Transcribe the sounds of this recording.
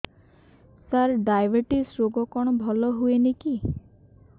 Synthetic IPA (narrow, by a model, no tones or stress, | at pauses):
saɾɖajbeʈisɾoɡɔkɔɽ̃ɔbʱɔlɔɦueniki